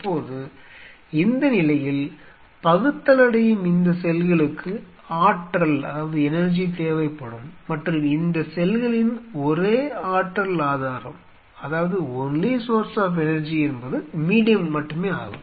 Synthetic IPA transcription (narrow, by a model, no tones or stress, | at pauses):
pːoːðɯ | ɪnd̪ɐnɪlɐjɪl | pɐɣɯt̪ːɐlɐɽɐjɯmɪnd̪ɐsɛlɣɐɭɯkʰːɯ | aːʈɾɐlɐ̰ðaːʋɐðɯɛnɐɾd͡ʒit̪eːʋɐɪpːɐɽɯmːɐʈrɯmɪnd̪ɐsɛlɣɐɭɪnɔɾeːaːʈɾɐlaːðaːɾɐ̰m | ɐðaːʋɐðɯɔnleːsoːɾsaːfɛnɐɾd͡ʒiɛnbɐðɯmiːɽɪjɐmːɐʈːɯmeːa̰ːɣɯ̰m